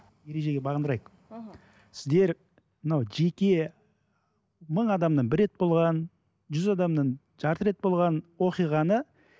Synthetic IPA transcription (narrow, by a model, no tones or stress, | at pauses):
je̞ɾe̞ʒe̞ɡʲe̞bɑʁənd̪əɾɑjəq | sɪ̥zd̪e̞ɾ | mənawʒe̞kʲe̞ | məɴɑd̪ɑmd̪əɴbɪɾːe̞t̪̚bo̞lˠʁɑn | ʒʏzɑd̪ɑmd̪əɴ | ʒ̥ɑɾt̪əɾe̞t̪̚bo̞lˠʁɑnwo̞qijʁɑnə